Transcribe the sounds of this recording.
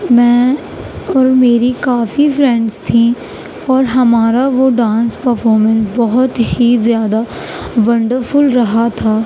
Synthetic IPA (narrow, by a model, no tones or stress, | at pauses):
mɛ̃ː | ɔːɾmeːɾikaːfifɾɛ̃ɳɖst̪ʰĩ | ɔːɾɦɐmaːɾaʋoɖãːnspəɾfʰɔːɾmə̃nsbɔɦʊt̪hizjaːd̪a | ʋɐ̃ɳɖəɾfʊlɾɐɦat̪ʰaː